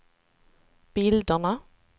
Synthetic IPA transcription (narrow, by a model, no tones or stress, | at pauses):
b̥ɪld̪ənə